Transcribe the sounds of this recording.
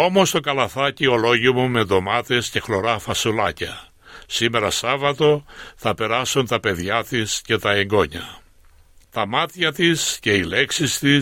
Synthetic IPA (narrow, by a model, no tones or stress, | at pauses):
o̞mo̞st̪o̞kɐlɐθɐcio̞lo̞ʝimume̞ðomɐt̪e̞sce̞xlo̞ɾɐfɐsulɐcɐ | sime̞ɾɐsɐvɐt̪o̞θɐpe̞ɾɐsunt̪ɐpe̞ðʝɐt̪isce̞t̪ɐe̞ŋɡo̞ɲɐ | t̪ɐmɐt̪çɐt̪isce̞ile̞ksist̪i